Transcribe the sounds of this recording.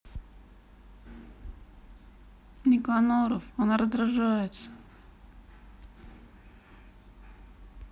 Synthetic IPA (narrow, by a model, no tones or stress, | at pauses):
nʲɪkanoɾəfɐnaɾəzd̪ɾaʐajɪt̪sə̥